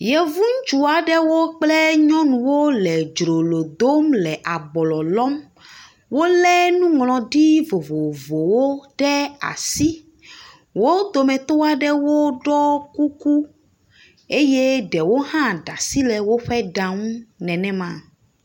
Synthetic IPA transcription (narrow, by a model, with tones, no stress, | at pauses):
jɛ˨vũ˦ŋ˦t͡ʃu˨a˨ɖɛ˦wo˦k͡plɛ˦ɲɔ̃˦nũ˨wo˦lɛ˨d͡ʒɾo˨lo˨d̪o˦mlɛ˨ʔa˨bɔ˨lɔ˨lɔ˦m | wo˦lɛ˦nũ˦ŋlɔ̃˨ɖi˦vo˨vo˨vo˨wo˦ɖɛ˦a̰˨si˦ | wo˦d̪o˨mɛ̃˨t̪o˦a˨ɖɛ˦wo˦ɖɔ˦ku˦ku˦ | e˦je˦ɖɛ˨wo˦ɦã˦ɖa˨si˦lɛ˨wo˦ɸɛ˦ɖa˨ŋũ˦nɛ̃˨nɛ̃˦mã˨